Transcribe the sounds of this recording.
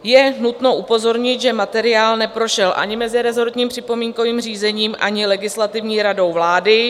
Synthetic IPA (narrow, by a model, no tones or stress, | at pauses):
jɛnut̪no̞ʔupo̞zo̞ɾɲɪt̪ʒɛmat̪ɛɾɪaːlnɛpɾo̞ʃɛlʔa̰ɲɪmɛzɪɾɛzo̞ɾt̪ɲiːmpr̥ɪpo̞miːŋko̞viːmr̝iːzɛɲiːmʔa̰ɲɪlɛɡɪslat̪ɪvɲiːɾado̞wvlaːdɪ